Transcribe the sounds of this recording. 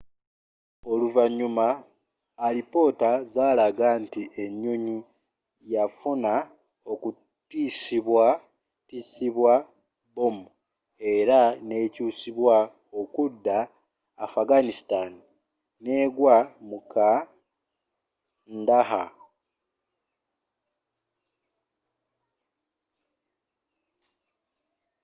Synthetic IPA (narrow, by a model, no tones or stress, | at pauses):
o̞luvaɲːumaː | lipo̞tazaːlaɡantiʔe̞ɲːoɲi | jafuna | oku | tisiβwa | tisiβwa | bomu | e̞ɾane̞ːcuːsiβwa | okudːaː | faɡanistani | ne̞ːɡwamukʰa | ndaha